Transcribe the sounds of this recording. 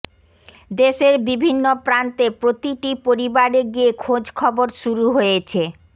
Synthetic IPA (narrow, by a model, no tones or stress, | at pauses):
d̪eʃeɾbibʱinːopɾant̪epɾot̪iʈipoɾibaɾeɡiekʰod͡ʑkʰɔboɾʃuɾuɦojet͡ɕʰe